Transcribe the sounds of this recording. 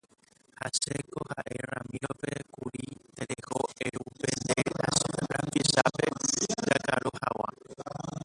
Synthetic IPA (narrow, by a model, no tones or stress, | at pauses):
hasekohaʔeramiopekuɾit̪eɾehoeɾupend̪eɾasɾambisapeɡakaɾohawa